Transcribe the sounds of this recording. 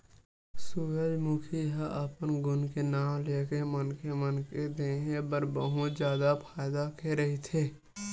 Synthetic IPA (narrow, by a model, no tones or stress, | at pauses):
suɾəd͡ʒmʊkʰiɦaʔəpənɡʊnkenaːmleːkemənkemənked̪eɦẽbəɾbəɦũt̪d͡ʒjaːd̪apʰaːɪd̪akeɾəɦit̪ʰeː